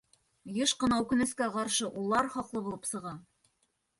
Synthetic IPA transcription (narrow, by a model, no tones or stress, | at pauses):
jɤʃqɤ̆nɑʉkɵ̆nɘ̆skæqɑɾʃɤʔulˠɑɾχɒqlˠɤbulˠɤpsɤ̆ʁɑ